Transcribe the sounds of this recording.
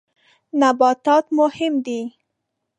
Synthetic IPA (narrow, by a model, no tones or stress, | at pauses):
nabɑt̪ɑt̪mʊhɪmd̪i